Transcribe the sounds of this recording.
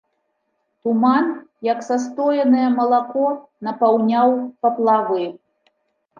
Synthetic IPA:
t̪umanjɐksas̬t̪ɔjɛnɨjɛmɐlˠakɔnɐpawnʲawpɐplˠavɨ

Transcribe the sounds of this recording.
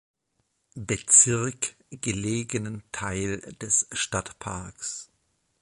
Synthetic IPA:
bət͡sɪɐk | ɡ̥əleːɡənəntʰaɪld̥ɛsʃtatpʰa̰ɐks

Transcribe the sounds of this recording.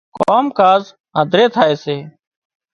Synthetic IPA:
koːmkaːz | ɦə̃ːd̪ʱɾeːt̪ʰaːeːseː

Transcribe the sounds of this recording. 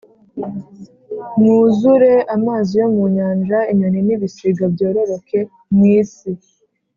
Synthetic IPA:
muːzuɾe̞ʔamaːzijo̞muɲaːnd͡ʒaiɲoniniβisiɡabɟoːɾo̞ɾo̞kʰe̞ | mŋiːsi

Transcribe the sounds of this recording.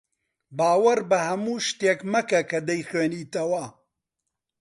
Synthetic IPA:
baːwɐɾbɐhɐmuːʃt̪eːkmɐkɐkɐd̪ɐjxweːniːt̪ɐwɐ

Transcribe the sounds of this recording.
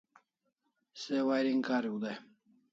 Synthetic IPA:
sewajɾiŋkaːɾiud̪aj

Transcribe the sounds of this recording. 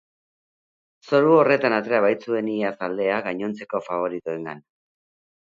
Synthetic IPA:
so̞ɾuo̞re̞t̪anat̪eaβajt͡sue̞niasald̪e̞aɣaɲo̞nt͡se̞ko̞faβ̞o̞ɾit̪ue̞ŋɡa̰n

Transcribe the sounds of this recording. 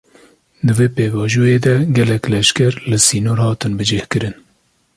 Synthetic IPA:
d̪ɨveːpeːvɑːʒujeːd̪ɛɡɛlɛklɛʃkɛɾlɨsiːnoːɾhɑːt̪ɨnbɨd͡ʒehkɨɾɨn

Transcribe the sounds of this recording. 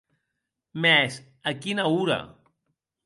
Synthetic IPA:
mɛs | əkinauɾa̰

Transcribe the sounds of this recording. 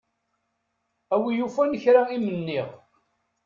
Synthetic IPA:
æwijufænəçɾaimənːiʁ

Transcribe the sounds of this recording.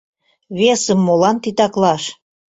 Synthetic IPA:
βesəmːolɑnt̪it̪ɑklɑʃ

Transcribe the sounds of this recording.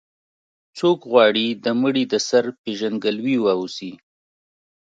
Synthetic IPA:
t͡sokɣwɑɽid̪əməɽid̪əsaɾpeʒanɡəlwiwausi

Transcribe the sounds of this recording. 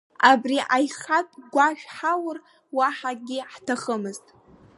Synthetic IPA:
abriʔajχatʼɡʷaʃᶣħawər | waħaɡʲɪħtʰaχəmɨztʼ

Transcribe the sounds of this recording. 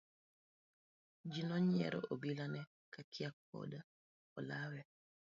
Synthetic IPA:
d͡ʒinɔɲɪɛ̰ɾɔ̰ʔobilanɛ | kakʰɪak̚ːɔ̰da | ɔlawɛ

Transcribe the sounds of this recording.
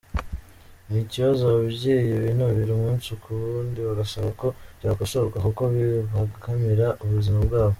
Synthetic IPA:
niciβazoaβiβɟijeβinoβiɾumuːnsukʰuβuːndiβaɡasaβako̞̥ɟaːkosoɾkakuko̞βiβakʰamiɾaʔuβuzimabɡaːβo

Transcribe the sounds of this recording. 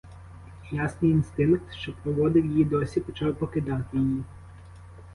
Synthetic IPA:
jasnɪjinst̪ɪnkt̪ʃt͡ʃɔpɾɔʋɔd̪ɪwjɪjid̪ɔsʲipɔt͡ʃɑwpɔkɪd̪ɑt̪ɪjɪji

